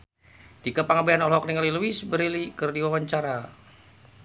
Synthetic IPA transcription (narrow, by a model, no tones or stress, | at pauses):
t̪ikapaŋabeanɔlɦɔk̚niŋaliluisbəɾilikərdiwawaɲt͡ʃaɾa